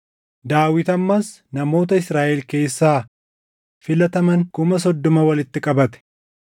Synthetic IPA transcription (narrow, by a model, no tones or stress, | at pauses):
d̪aːwɪt̪ɐmːɐs | nɐmo̞ːt̪ɐɪsɾaːʔɛlke̞ːsːaː | fɪlɐt̪ɐmɐŋkʊmɐs̬ɔd̪ːɔmɐwɐlɪt̪ːɪkʼɐbɐt̪ɛ̥